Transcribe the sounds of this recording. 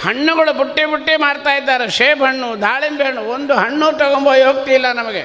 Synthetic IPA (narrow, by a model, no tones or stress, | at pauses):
hɐɳːuɡɐɭubuʈːibuʈːimaːɽt̪aːjid̪ːaːɾeʂeːbɐɳːud̪ʱaːɭimbeɐɳuond̪uɦɐɳːut̪ɐɡomboːjoːɡ̚t̪ilːɐnɐmɐɡe